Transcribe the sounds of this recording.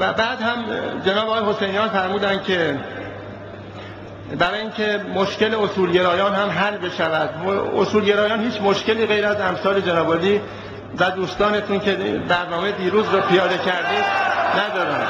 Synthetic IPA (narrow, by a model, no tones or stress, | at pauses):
væbæːd̪hæmd͡ʒenɒːbɒːɣɒːjhosejnijɒːnfæɾmuːd̪ænd̪̥cʰe̞ | bæɾɒːjiŋcʰe̞moʃce̞leosuːlɟe̞ɾɒːjɒːnhæmɦælbe̞ʃævæd̪o̰suːlɟe̞ɾɒːjɒːnhiːt͡ʃʰmo̞ʃce̞liːɣe̞jɾæzæmsɒːle̞d͡ʒenɒːbɒːliː | væd̪uːst̪ɒːne̞t̪ʰuncʰe̞bæɾnɒːmed̪iːɾuːzɾɒːpʰijɒːd̪e̞cʰæɾd̪iːd̪næd̪ɒːɾænd̪̥